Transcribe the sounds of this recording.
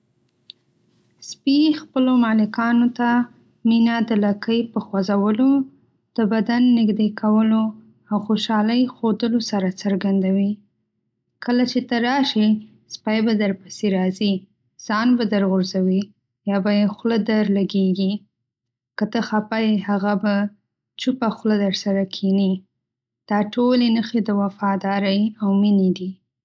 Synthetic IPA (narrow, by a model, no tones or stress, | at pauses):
spixpəlomɑlɪkɑnot̪a | minad̪əlakəjpəxwazawəlo | d̪̥əbad̪anːɪɡd̪ekʰawəlo | awxoʃɑləjxod̪əlosaɾat͡səɾɡand̪awi | kəlat͡ʃet̪əɾɑʃi | spajbad̪əɾpə̥seɾɑzi | z̥ɑnbad̪əɾɣʊɾzawi | jɑbajexləd̪əɾlaɡeɡi | kət̪əxapajhaɣaba | t͡ʃupaxləd̪əɾsaɾakʰini | d̪̥ɑʈolenəxed̪əwafɑd̪ɑɾəjawmined̪i